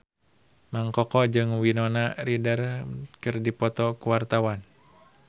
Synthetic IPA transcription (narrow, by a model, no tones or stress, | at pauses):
maŋkɔkɔd͡ʒɨŋwinɔnaridərkɨrdipɔt̪ɔkuwart̪awan